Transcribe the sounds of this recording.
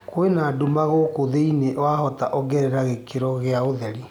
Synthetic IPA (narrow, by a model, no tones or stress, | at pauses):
kwenaːdumaɣokoðeineʔwahɔtaʔɔɡɛɾɛɾaɣekeɾɔɣeaoðɛɾi